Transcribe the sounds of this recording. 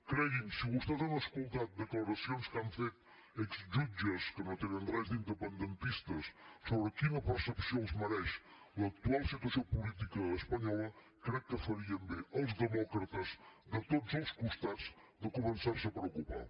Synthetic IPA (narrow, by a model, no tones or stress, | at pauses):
kɾɛɣiŋsiɣust̪ɛzanɐskulˠt̪at̪̚d̪əklɐɾɐsijonskamfet̪ | eksʒud͡ʒɐskənõt̪eɲɐndrɛzd̪ind̪əpənd̪ənt̪iʃt̪ɐsːoβɾəkinɐpəɾsəpsionzmɐɾɛʃ | lˠɐːk̚t̪ualˠsit̪wɐsiopulit̪ikɐːspɐɲɔlˠɐ | kɾɛkːəfɐɾiɐmbeʔɐlˠzðəmɔkɾɐt̪ɐzd̪ət̪ot̪zəlˠskust̪at̪z̥ | d̪əkumənsaɾsɐpɾəwkupa̰ɾ